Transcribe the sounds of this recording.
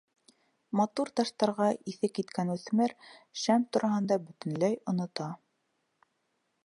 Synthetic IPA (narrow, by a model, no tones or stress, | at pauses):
mɑt̪uɾt̪ɑʃt̪ɑɾʁɑʔiθɘkːit̪kænʉθmɘɾʃæmt̪ŏɾɑɦɤ̆nd̪ɑbɵ̆t̪ɘ̆nlæjŏnŏt̪ɑ